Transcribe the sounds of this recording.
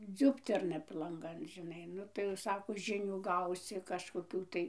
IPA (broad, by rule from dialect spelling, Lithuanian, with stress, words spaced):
ˈd͡zʲʊpʲtʲɛrnɐ p lˠɐŋˈɡɐn ʒʲɪˈnɐɪ ˈnʊ tɐɪ jɛʊ ˈsɑːkoː ˈʒʲɪnʲuː ˈɡɐʊsʲɪ kɐʃkoːˈkʲuː tɐɪ